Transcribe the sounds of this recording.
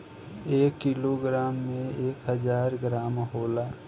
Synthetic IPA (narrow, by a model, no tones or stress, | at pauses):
eːkːiloɡɾaːmːẽeːkɦəd͡ʒaːɾɡɾaːmɦoːlaː